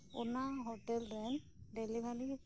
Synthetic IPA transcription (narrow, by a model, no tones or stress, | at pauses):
ṵnaɦoʈɛlɾɛn | ɖelibʱali